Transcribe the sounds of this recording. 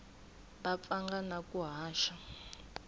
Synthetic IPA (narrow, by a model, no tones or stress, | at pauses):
bap̪faŋɡanakʼuɦaːʃa